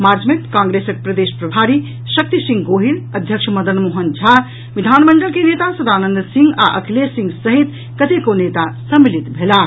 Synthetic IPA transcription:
maɾd͡ʒmẽt̪kãːŋɡɾesək̚pɾəd̪espɾɐbʱaɾi | sək̚t̪isĩŋɡɡoɦiɾəd̪ʱjəkʃʰməd̪ənmoɦənd͡ʒʱa | ʋid̪ʱanməɳɖəlkenet̪asəd̪aːnənd̪sĩŋɡa̰ʔəkʰlesĩŋɡsəɦit̪ | kət̪ekonet̪asəmːilit̪bʱela

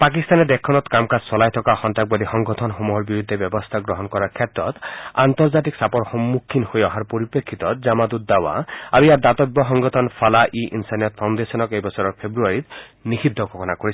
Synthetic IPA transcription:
pak̬ist̪anɛd̪ekʰːɔnɔt̪kamkassɔlajt̪ʰɔkaxɔntak̚bɔd̪ixɔŋɡɔt̪ʰɔnxomuɦɔɾbiɾud̪ʱːebjɔbɔst̪ʰaɡɾɔɦɔnkɔɾakʰet̪ɾɔt̪ant̪ɔɾd͡ʒat̪iksapɔɾxɔmːukʰːinhojɔɦaɾpoɾipekʰːit̪ɔd͡ʒamad̪ut̪̚d̪awa̰a̰ɾujaɾd̪at̪ɔbɔɦɔŋɡɔt̪ʰɔnpʰalaʔiʔinsanijɔt̪̚pʰawnd̪esɔnɔkejbɔt͡ʃʰɔɾɔɾpʰebɾuaɾit̪ | nixid̪ʱːɔkʰɔkʰɔnakoɾi

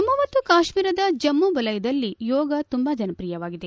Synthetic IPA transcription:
ɐmːumɐt̪ːukaːʃmiːɾɐd̪ɐd͡ʒɐmːubɐlɐjɐd̪ɐlːijɔːɡɐt̪umbaːd͡ʒɐnɐpɾijɐʋaːɡid̪e

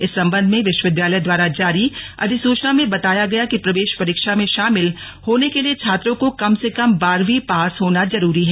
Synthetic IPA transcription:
ɪsːɐ̃mbə̃nd̪ʱmẽʋɪʃwəʋɪd̪jaːləjd̪waːɾad͡ʒaːɾiɐ̰d̪ʱɪsuːt͡ʃnamẽbɐt̪aːjaɡɐjakipɾɐʋeːʃpɐɾiːkʃamẽʃaːmɪl | hoːnekeliet͡ʃʰaːt̪ɾõkokɐmsekɐmbaːɾʋipaːsɦoːnazɐɾuːɾiɦɛː

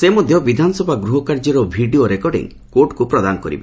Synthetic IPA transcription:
semɔd̪ʱjɔbid̪ʱanɔsɔbʱaɡɾuɦɔkaɾd͡ʒɔɾɔbʱiɖioɾekɔɖḭŋ | koʈkupɾɔd̪anɔkɔɾḭbe

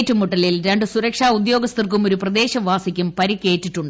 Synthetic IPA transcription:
tːumuʈːɐlilɾe̞ɳɖɨsuɾɐkʂaːud̪jo̞ːɡɐst̪irkumoɾuprɐd̪e̞ːɕɐʋaːsikʲːumpɐɾikʲːe̞ːtːiʈːuɳɖɨ

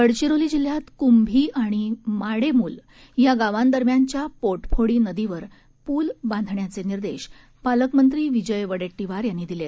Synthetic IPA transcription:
kəɽt͡ɕiɾoliːd͡ʑiljat̪kumbʱiːʔaɽ̃imaɽemuːl | jaɡaʋãnd̪əɾmjaɲt͡ɕjapoɾʈfʰoɽiːnəd̪iʋəɾ | puːlbãnd̪ʱɳjat͡seniɾd̪eɕ | paləkmənt̪ɾiːʋid͡ʑəjʋəɽeʈːiʋaɾjanːid̪ilet̪

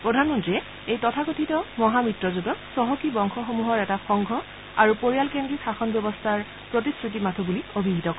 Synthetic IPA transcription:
pɹodʱanmɔntɹiɛ | ejtɔtʰakotʰitɔmɔɦamitɹɔzudɔksɔɦɔkibɔŋxʰɔxomuɦɔɹɛtaxɔŋɡʱɔ | aɹupoɹijalkendɹixaxɔnbjɔbɔstʰaɹ | pɹot̬iskɹut̬imatʰubuliobʱiɦitɔk

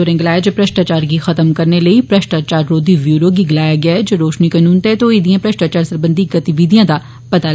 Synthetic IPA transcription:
oːɾẽɡɪlaːjad͡ʒopɾɐʃʈaːt͡ʃaːɾɡixɐt̪əmkɐɾnelɐipɾɐʃʈaːt͡ʃaːɾːoːd̪iʋjuːɾoɡiɡɪlaːjaɡɐjaɛd͡ʒoɾoːʃnikɐnuːnt̪et̪oid̪ijãpɾɐʃʈaːt͡ʃaːɾsɐɾbə̃nd̪ʱiɡɐt̪iʋiːd̪ijãd̪a | pɐt̪a

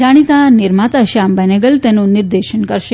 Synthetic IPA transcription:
aɽ̃it̪ãniɾmat̪aɕambɛneɡəlt̪ɛnũniɾd̪eʃənkəɾʃe

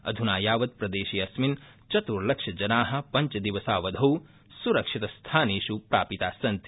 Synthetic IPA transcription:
ɐ̰d̪ʱunaːjaːʋɐd̪̚pɾɐd̪eːʃiːɐsmin | t͡ʃɐt̪uɾlɐkʂɐd͡ʒɐnaːɦɐ̆pɐɲt͡ʃɐd̪iʋɐsaːʋɐd̪ʱɐw | suɾɐkʂit̪ɐst̪ʰaːneːʃupɾa̰ːpit̪aːsɐnt̪i̥

